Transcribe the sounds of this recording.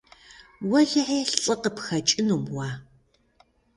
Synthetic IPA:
wɐɮɨʕeːɬt͡sʼɐqəpxɐt͡ʃʼɪnuːmwaː

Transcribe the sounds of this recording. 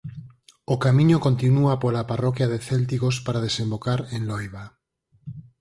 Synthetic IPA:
okamĩɲokont̪inuapolaparɔkjaðeθelt̪iɣospaɾaðesẽmbokaɾẽnlojβa

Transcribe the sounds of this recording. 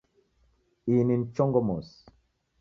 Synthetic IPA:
inin̩t͡ʃɔŋɡɔmɔs

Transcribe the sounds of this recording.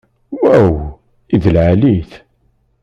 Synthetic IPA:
wæw | iðəlʕaliθ

